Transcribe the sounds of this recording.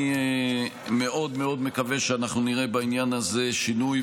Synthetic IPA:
me̞ʔo̞d̪meo̞d̪me̞kave̞ʃeanaχnuniʁe̞bainjanaze̞ʃinuj

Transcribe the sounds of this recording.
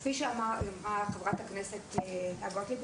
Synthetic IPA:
fiʃeamaamʁaχevʁatakneset̪eheaɡot̪lib

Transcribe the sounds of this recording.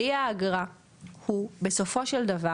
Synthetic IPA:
iaːɡʁa | hube̞so̞fo̞ʃeld̪ɐva

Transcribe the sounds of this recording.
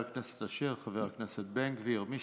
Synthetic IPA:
aknɛse̥t̪aʃiʁχaveʁaknɛset̪̚beŋkveiʁmi

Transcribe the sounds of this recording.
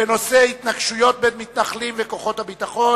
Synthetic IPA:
eno̞sehit̪naɡʃujo̞t̪̚benmit̪naχlimveko̞χo̞t̪habit̪aχo̞

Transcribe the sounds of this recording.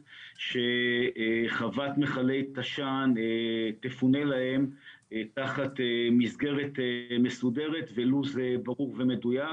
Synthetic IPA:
ʃe̞ | χavat̪me̞χale̞jt̪aʃanetefune̞lahe̞m | taχatemizɡe̞ʁe̞t̪me̞sude̞ʁe̞tveluzebaʁuʁve̞me̞duja

